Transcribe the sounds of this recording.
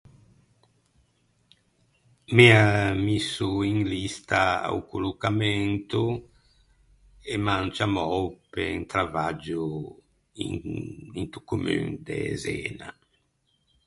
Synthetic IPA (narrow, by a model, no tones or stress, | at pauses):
miamisuiŋlist̪aa̰wkulukamɛnt̪u | emant͡ʃamɔwpeŋt̪ɾavad͡ʒu | iŋt̪u̥kumy̰ŋd̪ḛzḛːna̰